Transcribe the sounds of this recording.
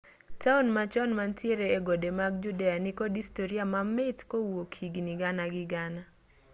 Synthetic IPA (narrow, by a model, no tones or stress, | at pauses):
taunmat͡ʃɔnmantjeɾeːɡodemaɡ̚d͡ʒudeanikɔdistoɾiamamɛtkowokʰiɡniɡanaɡɪɡana